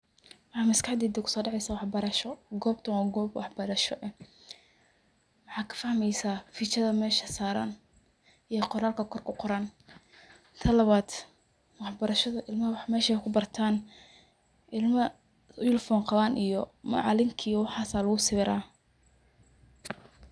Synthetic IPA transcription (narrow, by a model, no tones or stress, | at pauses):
wɑħɑːmɪskʰaħd̪iːd̪ɛkʰʊ̥sɔːɖɑʕɛjsaːwɑħbɐɾɐʃɔɡɔːb̚t̪ʰɐnwaːɡɔːbwɑ̰ħbɐɾɐʃɔʔɛ | wɑħɑːkʰɐ̥fɐhmɛjsaːfit͡ʃɐðɐmɛːʃɐsaːɾa̰ːn | ijɔqɔɾaːlkʰɐkʰɔrkʰʊqɔɾaːn | t̪ʰɐlɐβaːd̪̥ | wɑħbɐɾɐʃɐðɐʔɪlmɐhɐwɑħmɛːʃɐɛkʰʊbɐrt̪ʰaːn | ʔɪlmɐ | ɪlfɔːnqɑβaːnʔijɔmɐ̰ʕɑ̰lɪŋkʰiːwɑħɑːsaːlɐɣʊsɪβɪɾaː